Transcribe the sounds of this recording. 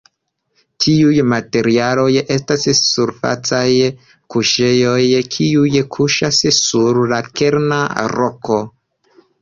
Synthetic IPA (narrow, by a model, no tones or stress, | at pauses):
tʰiujmate̞ɾialo̞je̞stassuɾfa̰t͡saj | kuʃe̞jo̞jkʰiujkʰuʃassuɾlake̞ɾna̰ɾoko̞